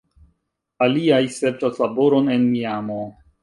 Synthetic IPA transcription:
aliajseɾtaslabo̞ɾo̞nenmiamo

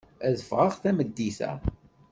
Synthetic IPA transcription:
æðəfʁaʁθæməd̪ːiθæ̰

